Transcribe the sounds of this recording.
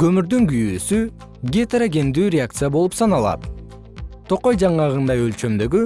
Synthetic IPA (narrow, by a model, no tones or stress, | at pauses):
ɡ̥ø̞myɾd̪yŋɡyjyːsy | ɡʲet̪aɾaɡʲe̞nd̪yːɾʲeak̚t̪sɨjabo̞lˠupsɑnɑlˠɑ̰t̪ | t̪ʰo̞qojd͡ʒɑɴɑʁɯnd̪ɑjø̞lt͡ʃø̞md̪ø̞ɡy